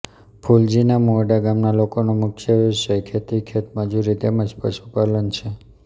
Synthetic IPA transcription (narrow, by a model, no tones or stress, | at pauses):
pʰuld͡ʒinamoɖaɡamnalokonomʊkʰjəʋiʃəkʰet̪ikʰet̪məd͡ʒuɾid̪eməd͡ʒpə̰ʃupalənt͡ʃʰe